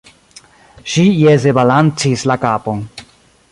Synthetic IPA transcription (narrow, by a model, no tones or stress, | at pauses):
ʃijezebalant͡sislakaːpon